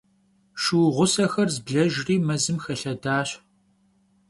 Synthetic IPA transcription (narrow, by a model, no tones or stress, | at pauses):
ʃuwʁʷʊsɐxɐrzbɮɐʒriːmɐzɨmxɐɬɐdaːɕ